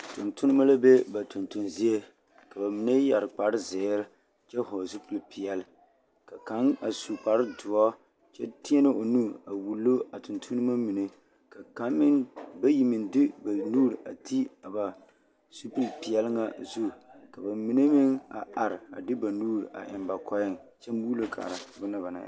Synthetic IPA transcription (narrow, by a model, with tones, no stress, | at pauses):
tʊ˨ntu˦nɨ˦ma˦la˦be˦ba˨tu˨ntu˨nzi˦e˦ | ka˨ba˨mi˨ne˦ja˨ɾɨ˨k͡pa˨ɾɪ˦zeː˨˦ɾɪ˦ | t͡ʃɛ˦ɦɔ˨zu˦pɨ˨lpi˨ɛ˨l | ka˨ka˨˦na˨su˨k͡pa˨ɾɨ˦dʊ˨ɔ˦ | t͡ʃɛ˦tɪ˦ɛ˦nɨ˦o˨nu˦˨a˨wu˨lːo˦a˨tu˨ntʰu˦nɨ˦ma˦mi˨ne˦ | ka˨ka˦mːɪ˦nba˦ji˨mɨ˨ndɪ˦ba˨nuː˦ɾa˨ti˦a˨ba˨ | su˦pɨ˦lpi˨jɛ˦lɨ˦ŋa˨zu˦ka˨ba˨mi˨ne˦mɪ˦ŋa̰˨a˨ɾɪ˨a̰˨dɨ˦ba˨nuː˦ɾʔa̰˨ʔɪ̰˨mba˨kʰɔ˦jɪ˦˨ŋ | t͡ʃɛ˦m˦buː˦lo˦kʰa̰ː˨ɾa˨˦bʊ˦na˦ba˨na̰˨